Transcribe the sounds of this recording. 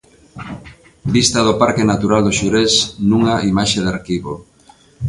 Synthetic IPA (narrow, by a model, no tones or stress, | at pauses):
bist̪ɐðopaɾkenat̪uɾald̪oʃuɾesnũŋaimaʃeðaɾkiβo